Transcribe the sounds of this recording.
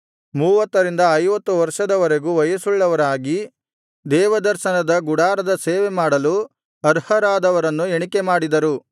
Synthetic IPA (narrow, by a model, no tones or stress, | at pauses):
muːʋɐt̪ːɐɾind̪ɐːjʋɐt̪ːuʋɐɾʂɐd̪ɐʋɐɾe̞ɡuʋɐjɐsuɭːɐʋɐɾaːɡi | d̪ɛːʋɐd̪ɐɾʃɐnɐd̪ɐɡuɽaːɾɐd̪ɐseːʋemaːɽɐlu | ɐɾhɐɾaːd̪ɐʋɐɾɐnːueɳikemaːɽid̪ɐɾu